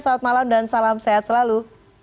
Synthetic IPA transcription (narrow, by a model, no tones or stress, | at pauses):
saat̪̚malamdansalamseat̪səlalu